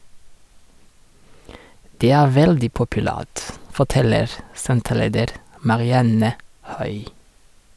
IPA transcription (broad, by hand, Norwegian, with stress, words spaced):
ˈdeː ˈæː ˈʋɛldɪ pʊpʉˈlæːt fɔˈtɛləɾ ˈsɛntəˌleːdəɾ mɑɾɪˈɑnə ˈhœʏ